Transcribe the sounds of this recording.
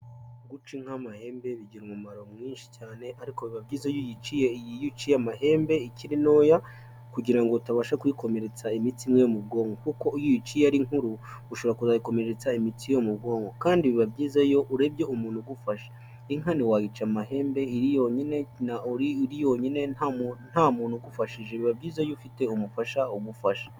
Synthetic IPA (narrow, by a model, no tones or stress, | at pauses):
ɡut͡ʃiŋ̥hamahe̞ːmbe̞βiɟiɾmumaɾo̞mŋiːnʃi̥caːne̞ʔaɾikoβiβabɟiːzajojit͡ʃijeijijut͡ʃijamahe̞ːmbe̞iciɾino̞ːja | kuɟiɾaŋɡoutaβaʃakujiko̞me̞ɾet͡saimitimŋejomub̚ɡo̞ːŋɡokuko̞jijit͡ʃijaɾiŋhuɾu | uʃoβoɾakuzajiko̞me̞ɾet͡saimitijo̞mubɡo̞ːŋɡo̞kaːndiβiβabɟiːzajo̞ʔuɾebje̞umuːn̥huɡufaʃḁ | iŋaniwaɡit͡ʃamahe̞ːmbe̞iɾijoɲine̞naɾiɾijo̞ɲine̞nan̥hamuːn̥huɡufaʃiʒe̞βiβabɟiːzajoufite̞umufaʃauɡufaʃḁ